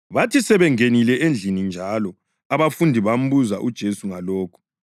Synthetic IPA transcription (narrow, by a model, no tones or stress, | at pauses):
βatʰisɛβɛŋenilɛʔend͡ɮʱinind͡ʒʱalɔ | aβafundʱiβam̩βuzaʔud̥ʒ̥ʱesuŋaloːkʰu̥